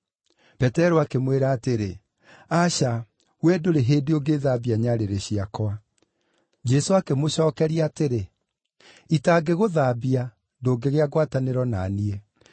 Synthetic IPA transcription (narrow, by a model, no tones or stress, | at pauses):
pɛtɛɾoakemweɾaːteɾe | aɕa | wɛdoɾeɦeːdeoɡeːðabiaɲaɾeɾeɕiakɔa | d͡ʒɛsoakemoɕɔːkɛɾiateɾe | itaːɡeɣoðaːbia | doːɡeɣeaɣwataneɾɔna̰niɛ